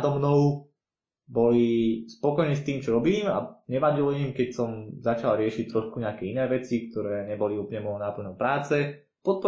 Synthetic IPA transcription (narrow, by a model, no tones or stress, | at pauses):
d̪ɔmnɔʊ | bɔlispɔkɔjɲɛst̪iːmt͡ʃɔɾɔbiːma̰ɲɛʋaɟilɔimkɛcsɔmzat͡ʃalɾɪɛʃic̚t̪ɾɔʃkuɲɛakɛinɛːʋɛt͡sik̚t̪ɔɾɛːɲɛbɔliuːpl̩ɲɛmɔɔnapl̩nɔmpɾaːt͡sɛ | pɔt̪̚pɔ